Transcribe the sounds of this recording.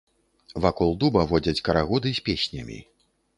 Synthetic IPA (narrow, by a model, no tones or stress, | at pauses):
vakɔlˠd̪ubɐvɔd͡zʲɐt͡sʲkɐɾaɣɔd̪ɨsʲpʲesʲnʲɐ̰mʲḭ